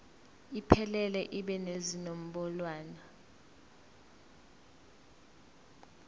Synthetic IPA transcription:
ipʰɛlɛlɛʔiɓɛnezinom̩ɓɔlwaːna

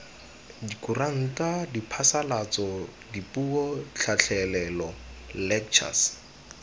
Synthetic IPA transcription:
dikuraŋ̩kadipʰasalat͡sɔ | dipuɔt͡ɬʰat͡ɬʰɛlɛlɔlɛk̚t͡ʃʰa̰s

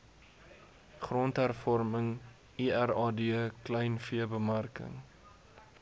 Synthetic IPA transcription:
χrɔntɦærfɔrməŋ | iærɑːdiəklɛjnfiəbəmærkə̰ŋ

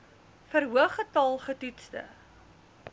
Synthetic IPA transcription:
fəɾɦuəχətɑlˠχətitstə̰

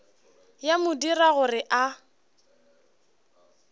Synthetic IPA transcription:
jamʊdiraɣʊrɪʔa

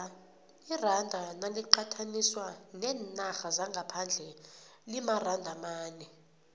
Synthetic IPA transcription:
irandʱanaliǃatʰaniswanɛːnaxazaŋɡʱapʰand͡ɮʱɛlimarandʱamaːnɛ

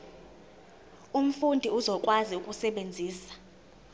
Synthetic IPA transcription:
um̩fundʱiuzɔkʼwaziukʼusɛɓend͡zʱiːsḁ

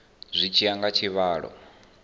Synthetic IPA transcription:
zʷit͡ʃʰiaŋɡat͡ʃʰiβaːɺɔ̰

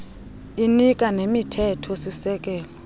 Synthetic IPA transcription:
inikʼanemitʰɛtʰɔsisɛk̬ʼɛːlɔ

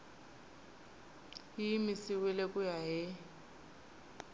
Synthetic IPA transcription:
imisiwilekʼujaɦɪ

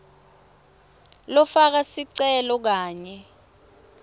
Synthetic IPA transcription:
lɔfak̬asiǀɛlɔk̬aːɲɛ

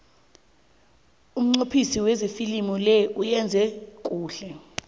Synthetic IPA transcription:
um̩ŋ͡ǀopʰisiwɛzefilimulɛʔujɛnd͡zʱɛk̬ʼuːɬɛ

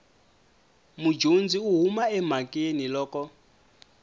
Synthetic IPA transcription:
mud͡ʒond͡ziuɦumaɛm̤akʼenilɔːkɔ

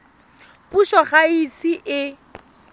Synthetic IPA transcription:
puʃɔχaisiʔɪ

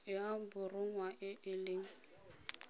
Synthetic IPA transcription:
jabʊrʊŋ̩waʔɪʔɪlɪŋ̩

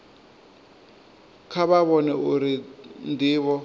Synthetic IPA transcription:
kʰaβaβɔnɛʔuɾindʱiːβɔ

